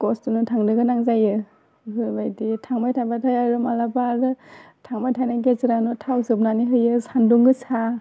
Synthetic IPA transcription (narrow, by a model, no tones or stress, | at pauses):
kɔstunɯtʰaŋdɯɡɯnaŋzajɯ | hɯbajditʰaŋmajtʰajbatʰajaɾɯmalabaɾɯ | tʰaŋmajtʰajnaɡezɯɾanɔtʰawsɯp̚naniɦɯjɯsanduŋɡɯsa